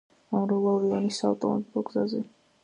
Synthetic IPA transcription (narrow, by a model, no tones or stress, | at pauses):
ɔmɾulˠɔɾiɔnisaːvt̪ʼɔmɔ̰bilˠɔɡzazɛ